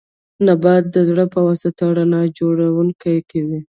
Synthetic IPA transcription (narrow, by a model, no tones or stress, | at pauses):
nabɑt̪̚d̪əzɽəpəwɑsat̪aɽanɑd͡ʒoɽawuŋkajkawi